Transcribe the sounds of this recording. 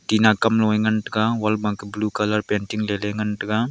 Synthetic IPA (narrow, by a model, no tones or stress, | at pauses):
ʈinakɐmlowẽŋɡɐnʈɡawɐlbãːkeblukɐlɐɾpeɳʈiŋleleŋɡɐnʈɡa